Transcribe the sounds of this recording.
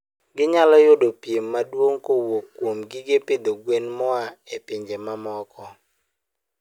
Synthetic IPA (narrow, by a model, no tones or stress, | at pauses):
ɡɪɲalɔjʊdopjemːadwoŋkowokːwomɡɪɡeped̪oɡwenmɔaepiɲd͡ʒemamɔkʰɔ